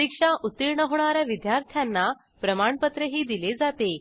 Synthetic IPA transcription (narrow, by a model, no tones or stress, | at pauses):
ikʂaʔut̪ːiɾɳəɦoɳ̃aɾjaʋid̪jaɾt̪ʰjanːa | pɾəmaɳpət̪ɾəɦiːd̪iled͡zat̪e